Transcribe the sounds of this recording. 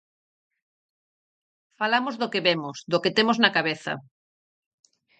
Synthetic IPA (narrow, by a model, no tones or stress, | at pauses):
falamozðokeβemosd̪oket̪emoznakaβeθɐ̰